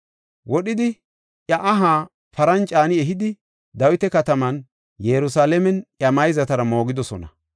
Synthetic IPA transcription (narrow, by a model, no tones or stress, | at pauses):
wɔɗɪd̪ɪ | ʔɐʔɐɦaː | fɐɾɐnt͡ʃʼaːnɪɛɦɪd̪ɪ | d̪ɐwɪt̪ɛkɐt̪ɐmɐn | jɛɾʊsaːlɛmɛnɐmɐjzɐt̪ɐɾɐmo̞ːɡɪd̪ɔsɔnɐ